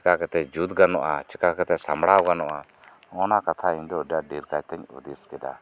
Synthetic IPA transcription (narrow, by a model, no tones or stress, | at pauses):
kakɛt̪ɛd͡ʒud̪ɡanɔʔa̰t͡ʃikakɛt̪ɛsamɽawɡanɔʔa | ɔnakat̪ʰaiɲd̪ɔɖaɖiɾkad͡ʒt̪ɛɲṵd̪iskɛd̪a̰